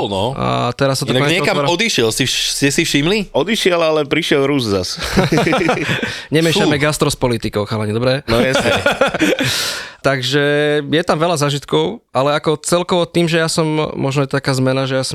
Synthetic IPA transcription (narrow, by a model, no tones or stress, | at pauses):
nɔa̰t̪ɛɾasːat̪ɔk̪ɔɲɛɲɛkamɾɔd̪iʃɪɛlsiscɛsifʃimliɔd̪iʃɪɛlalɛpɾiʃɪɛlɾuːsza̰s | ɲɛmɪɛʃamɛɡast̪ɾɔspɔlit̪ikɔʊxalaɲid̪ɔbɾɛnɔjɛsɛ | t̪aɡʒɛjɛt̪amʋɛlazaːʒit̪kɔʊalɛakɔt͡sɛlkɔʋɔt̪iːmʒɛjasɔmmɔʒnɔjɛt̪t̪akaːzmɛnaʒɛjaːsɔm